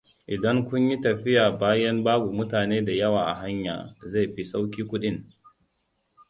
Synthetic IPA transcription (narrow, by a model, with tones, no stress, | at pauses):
ʔɪ˨dɐ˦ŋkʷʊ˦ɲji˦tɐ˨ɸɪ˦jaː˨baː˦jɐ˦mbaː˦ɡʷu˨mʊ˦taː˨neː˦da˨jɐ˦waː˨ʔa̰˨ɦa˦ɲja̰ː˨za˦˨jɸi˦sa˦wkʲiː˦kʷʊ˦ɗɪ˦ŋ